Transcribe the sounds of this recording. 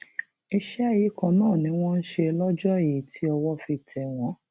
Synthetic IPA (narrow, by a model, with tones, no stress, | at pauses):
i˧ʃɛ˦ji˨˦kɔ̃˨nãː˦˨nĩ˨˦w̃ɔ̃˦n̩˦ʃe˧lɔ˦d͡ʒɔ˦˨ji˨tʰi˨˦ɔ˧wɔ˦fi˧˨tʰɛ˨w̃ɔ̃˨˦